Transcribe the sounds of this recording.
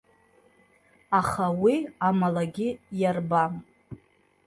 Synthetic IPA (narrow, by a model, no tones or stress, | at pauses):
aχawiamalaɡʲɪjarbam